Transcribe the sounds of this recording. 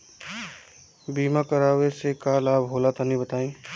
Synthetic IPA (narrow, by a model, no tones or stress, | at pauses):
biːmakəɾaːwesekaːlaːbɦoːlat̪anĩbət̪aːĩː